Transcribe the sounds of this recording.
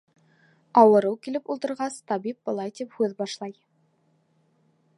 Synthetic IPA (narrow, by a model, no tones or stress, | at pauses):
ɑwɤ̆ɾɤwkilɘpulˠt̪ɤ̆ɾʁɑst̪ɑbip̚bɤ̆lˠɑjt̪iphʉðbɑʃlˠɑj